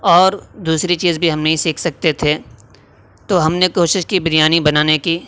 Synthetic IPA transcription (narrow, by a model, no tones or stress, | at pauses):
ɔːɾd̪uːsɾit͡ʃiːzbʱiɦɐmnɐɦĩsiːkʰsɐk̚t̪et̪ʰe | t̪oɦɐmnekoːʃɪʃkibɪɾijaːnibɐnaːneki